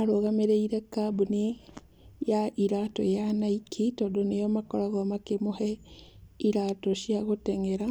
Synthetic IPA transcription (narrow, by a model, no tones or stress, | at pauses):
aɾoɣameɾeiɾɛkabune | jaʔiɾatɔjanaikʰitɔːndɔnejɔmakɔɾaɣɔmakemohɛ | iɾatɔʃiaɣotɛŋɛɾa